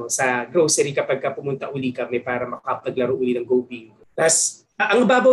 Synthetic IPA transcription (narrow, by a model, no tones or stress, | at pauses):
sɐɡɾowsɛɾikɐpɐɡ̚kɐpʊmʊnt̪ɐʔʊlikɐmɛpaːɾɐmɐkɐpɐɡlɐɾoʔʊlinɐŋɡowbiŋɡ | pas | ʔɐŋbaːbɐ